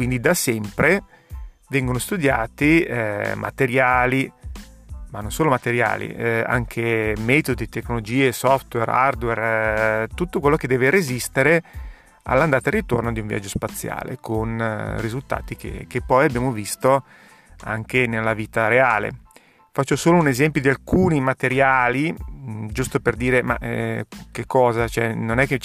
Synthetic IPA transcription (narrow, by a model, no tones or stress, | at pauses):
kwind̪id̪asɛmpɾe | vɛŋɡonost̪ud̪jaːt̪imʔa̰t̪eɾjaːli | manːonsoːlomat̪eɾja̰ːlḭa̰ŋkʰemɛːt̪od̪it̪ekːnolod͡ʒiːesɔft̪wera̰rd̪wɛrt̪ut̪ːokwelːok̟ed̪ɛːveɾezist̪eɾe | a̰lːand̪aːt̪arːit̪ornod̪iuɱvja̰d͡ʒːospat̪sːja̰ːlḛkʰonrizult̪a̰ːt̪ik̟ḛkepːɔjabːjaːmovist̪o | aŋkenelːaviːt̪aɾeaːlḛ | fat͡ʃːosoːlounezɛmpjod̪ialkuːnimat̪eɾjaːlid͡ʒust̪operd̪iːɾema̰ʔkekːɔːzat͡ʃoɛnonɛkːe